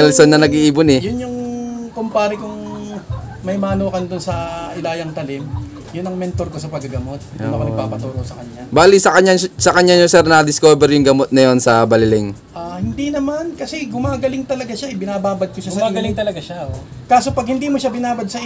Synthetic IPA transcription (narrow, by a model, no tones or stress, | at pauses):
ɛlsonːɐnɐɡiʔiːbonɛjʊnjʊŋkʊmpaːɾɪkʊŋ | mɐjmɐːnuːkɐnd̪ʊnsɐʔɪlaːjɐŋt̪ɐlɪm | jʊnːɐŋmɛnt̪oɾkosɐpɐɡɐɡɐmo̞t̪̚ːmɐɐnɐɡ̚pa̰ːpɐt̪uːɾoʔsɐkɐɲːabaːlisɐkɐɲːasɐkɐɲːaɲosɛɾnɐd̪ɪskoːbɛɾjʊŋɡɐmot̪̚nɐjonsɐbɐlɪlɛŋ | ʔahɪnd̪inɐmankɐsɛɡʊmaːɡɐlɪŋt̪ɐlɐɡaʃaɪbɪnaːbaːbɐd̪̚koʃasɐʔaɡɐɪŋt̪ɐlɐɡaʃao | kaːsopɐɡ̚hɪnd̪iːmoʃabɪnaːbɐd̪̚sɐ